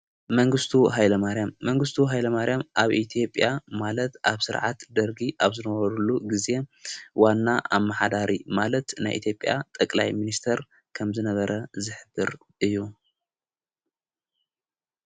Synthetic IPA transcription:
mɐŋɡɨst̪ʰuɦajlɐmaɾjamːɐŋɡɨst̪ʰuɦajlɐmaɾjamʔaβit̪ʰijo̞pʼːjamalɐt̪aβsɨɾʕa̰t̪d̪ɐɾɡiʔaβzɨnɐβɐɾulːuɡize̞wanːaʔamːaħad̪aɾimalɐt̪na̰jʔḭt̪ʰjopʼːja̰t̪ʼɐkʼlajminist̪ʰɐɾ | kʰɐmzɨnɐβɐɾɐzɨħɨbɨɾ | ʔɨjːu

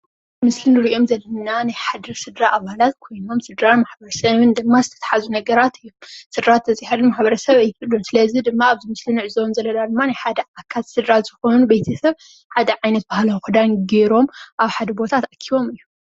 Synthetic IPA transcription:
mɨslɨnɨɾiʔo̞mzɐlːɐnanajħad̪ɾisɨd̪ɾaʔaβalat̪kʰo̞jno̞msɨd̪ɾanmaħbɐɾɐsɐβɨnd̪ɨmːazɨt̪ʰɐt̪ʰɐ̥ħazunɐɡɐɾat̪ɨjːomsɨd̪ɾat̪ʰːɐt͡sʼiħaɾunmaħbɐɾɐsɐβajːɪkʰɨlunsɨlɐzid̪ɨmːaːβzɨmɨslɨnɨʕɨzownzɐlɐlad̪ɨmːanajħad̪ɐʕakʰːat̪sɨd̪ɾazɨxo̞nubejt̪ʰɐsɐβ | ħad̪ɐʕajnɐt̪̚bahlɐwxɨd̪anɡeɾo̞mʔaβħad̪ɐbo̞t̪ʰat̪akʰiβo̞mɨjːum

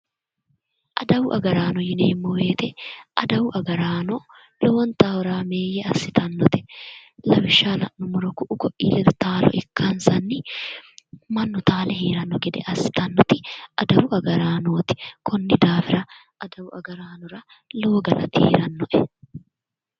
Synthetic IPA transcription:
ʔɐd̪ɐwʊʔɐɡɐɾaːnɔjɪneːɪmːɔweːt̪ɛʔɐd̪ɐwʊʔɐɡɐɾaːnɔ | loːwɐnt̪aːwɾaːme̞ːjɛɐsːɪt̪ɐnːɔt̪ɪ̥lɐwɪʃːaːlɐ̰ʔnʊmʊɾɔkʊʔʊɡɔʔiːlɛd̪t̪aːlɔ̰ʔɪkːɐnsɐnːɪ | mɐnːɔt̪aːlɛhiːɾɐnːɔɡɛd̪ɛ̰ʔɐsːɪ̥t̪ɐnːɔt̪ɪʔɐd̪ɐwʊʔɐɡɐɾaːnoːt̪ɪ̥kʰɔnːɪd̪aːfɪɾɐ | ʔɐd̪ɐwʊʔɐɡɐɾaːnɔɾɐ | lo̞ːɡɐlɐ̰t̪ɪhḭːɾɐnːɔʔɛ

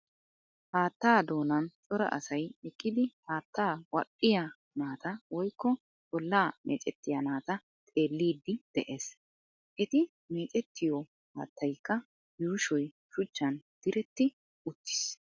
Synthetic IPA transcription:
haːt̪ːaːd̪o̞ːnɐnt͡sʼɔɾɐ̰ʔɐ̰sɐjɛkʼːɪd̪ɪhaːt̪ːaːwɐ̰kʼːɪjɐ | naːt̪ɐwɔjkːɔ | bɔlːaːmʔḛːt͡ʃʼɛt̪ːɪjɐnaːt̪ɐ | t̪ʼe̞ːlːiːd̪ːɪd̪̥ɛʔeːs | ʔɛt̪ɪ | meːt͡ʃʼɛt̪ʰːɪjɔ | ha̰ːt̪ʰːɐjkːɐ | juːʃɔj | ʃʊt͡ʃːɐnd̪̥ɪɾɛt̪ːɪ | ʊt̪ːɪ̥s

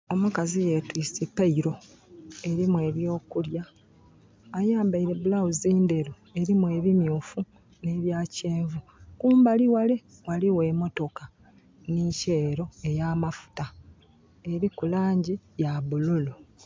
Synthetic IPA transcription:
o̞mukazije̞twisipaiɾo̞ | e̞ɾimwe̞βjo̞ːkuljaː | jaːmbaiɾe̞bulawuziːndeɾu | e̞ɾimwe̞ːβimjuːfu | ne̞βjaːce̞ːɱvukuːmbaliwale | waliwe̞ːmo̞to̞ka | nice̞ːɾo̞e̞jamafu̥ta | e̞ɾikulaːɲɟijaβululu

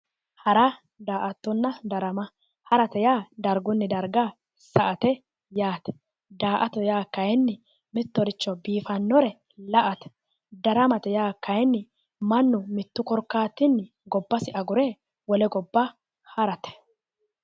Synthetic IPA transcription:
hɐɾɐ | d̪aːʔɐt̪ːʊnːɐd̪ɐɾɐmɐ | hɐɾɐt̪ɛjaːd̪ɐɾɡʊnːɪd̪ɐɾɡa | sɐʔɐt̪ɛ | jaːt̪ɛ̥ | d̪aːʔɐt̪ɔjaːkːɐjɛnːɪ | mɪt̪ːɔɾɪt͡ʃːɔbiːfɐnːɔɾɛ | lɐʔɐt̪ɛ̥ | d̪ɐɾɐmɐt̪ɛjaːkːɐjɛnːɪ | mɐnːʊmɪt̪ːʊkɔɾkːaːt̪ːɪnːɪ | ɡɔbːɐsɪʔɐɡʊɾɛ | wɔlɛɡɔbːɐ | hɐɾɐt̪ɛ̥

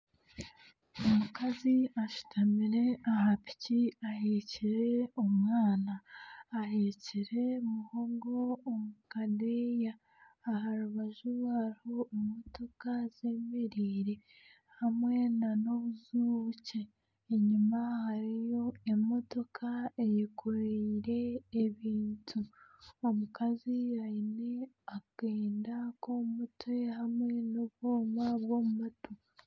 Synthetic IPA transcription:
omukaziaʃu̥tʰamiɾe̞ahapi̥ciaheciɾe̞umŋaːnaːheciɾe̞muhoŋɡoːmukadejaː | ɦaɾuβaʒuwaːɾiho̞imo̞to̞kaz̥eːmeɾiːɾe | hamwe̞nano̞βuzuːβuceː | ɲumahaɾijo̞emo̞to̞kʰaejekʰoɾiɾe̞ːβiːntʰuomukaziaine̞ | akeːndakomutwe̞hamwe̞noβoːmaβɣomumatu

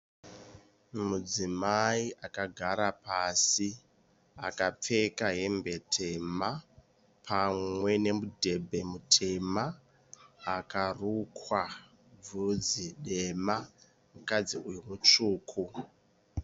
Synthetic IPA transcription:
mud͡zimaiʔakaɡʱaɾapasi | a̰kap͡fe̞kaɦe̞mbe̞tʰe̞ma | pʰamwe̞ne̞mudʱe̞bʱe̞mutʰe̞maː | karukwa | b͡vud͡ziɗe̞ma | mukad͡ziujumut͡ʂuːkʰu

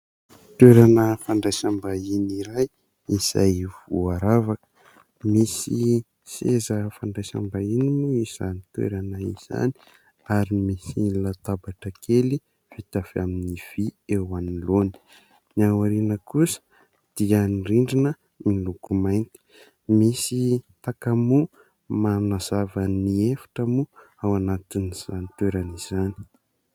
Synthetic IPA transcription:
t̪weɾanəfaɳɖ͡ʐajsambainiɾaj | iz̥a̰jvuaɾavakə̥ | misi | sezəfaɳɖ͡ʐajsa̰mbainimuiz̥a̰nit̪wḛɾanaḭz̥a̰ni̥ | aɾimisilat̪abaʈ͡ʂəkʰeli | fit̪afaminiv̥iewanloni̥ | niawaɾinəkusə̥ | d̪̥iəniriɳɖ͡ʐinə | milukumajnt̪i̥ | misit̪akamu | manazavəniefḁʈ͡ʂəmu | awanat̪iniz̥anit̪weɾaniz̥ani̥

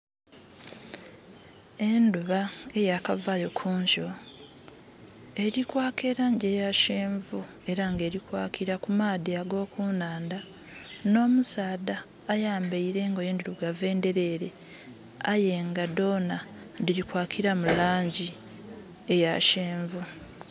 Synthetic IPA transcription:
enduβae̞jakavajo̞kʰuːɲʃo | e̞ɾikwaːkʰe̞ːɾaːɲɟe̞jaʃeːɱvu | e̞ɾaŋɡe̞ːɾikwa̰ːkʰiɾakumaːdiaɡo̞ːkʰuːnaːnda | no̞ːmusaːdaː | jaːmbeiɾe̞ŋɡojeːnduɾuɡave̞ːnde̞ɾe̞ːɾe | ajeŋɡado̞ːna | diɾikwaːkʰiɾamulaːɲɟi | e̞jaʃeːɱvu

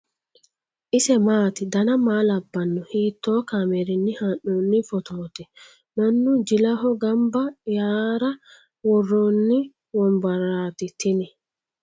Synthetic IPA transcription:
ʔisɛmaːt̪id̪anamaːlabːanːɔhiːt̪ːɔːkamɛɾinːihanunːifɔt̪ʰɔːt̪ɛ | manːud͡ʒilaɦɔɡambajaːɾa | wɔrːɔnːi | wɔmbaɾaːt̪it̪inɛ

